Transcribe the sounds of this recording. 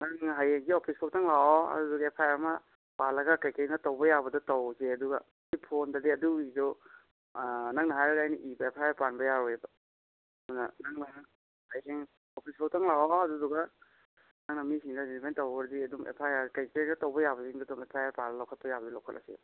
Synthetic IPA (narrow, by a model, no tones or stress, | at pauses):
naŋɦajheŋɡiopʰisbʰok̚tʰaŋlawɔɐ̰duduɡɐepʰajaɾmɐ | palːɐɡɐkajkaɾnɐtawbɐjabɐdɐtawzeɐduɡɐ | ipʰondɐdiɐduizɔ | naŋnɐɦajɾɐɡajniʔibɐepʰajaɾpanbɐjaɾɔebɐ | munɐnaŋnɐ | hajseŋ | opʰisbʰɔk̚tʰaŋlawɔɐduduɡɐ | naŋnɐmisiŋdɐzimentawbɐɾdiɐduŋḛpʰajakajkeɾnɐtawbɐjabɐziŋdadɔŋepʰajaɾpalɐlawkʰɐt̚pɐjabɐdilawkʰɐ̰tlʔa̰sḛ